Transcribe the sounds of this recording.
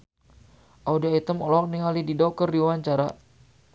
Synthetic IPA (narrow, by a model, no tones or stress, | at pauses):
ʔaudiait̪əmɔlɔk̚niɦalididɔk̚kərdiwaɲt͡ʃaɾa̰